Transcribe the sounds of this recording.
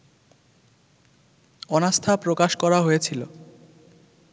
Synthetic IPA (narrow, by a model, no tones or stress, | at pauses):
ɔnast̪ʰapɾokaʃkɔɾaɦojet͡ɕʰilo̰